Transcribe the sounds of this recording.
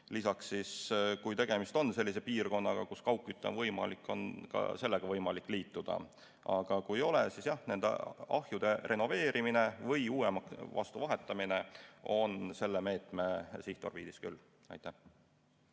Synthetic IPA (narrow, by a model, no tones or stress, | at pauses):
lisɑksːiskujt̪e̞ɡ̥e̞mist̪onse̞lːisepiːrko̞nːɑɡ̥ɑkuskɑwkːˑyt̪ˑːḛvɤjmɑ̰likːˑo̞̰nkɑ̰se̞lːeɡ̥ɑvɤjmɑlikːˑliːt̪ːˑud̪̥ɑ̰ | ɑɡ̥ɑkujjo̞lesisjɑhne̞nd̪̥ḛɑhjud̪̥e̞re̞no̞ve̞ːɾʔimine̞vɤjuːemɑkvɑ̰st̪uvɑɦe̞t̪ːˑɑmine̞o̞nse̞lːeme̞ːt̪ˑme̞siht̪o̞̰rvḭːd̪̥iskylː | ɑ̰jt̪ːˑæh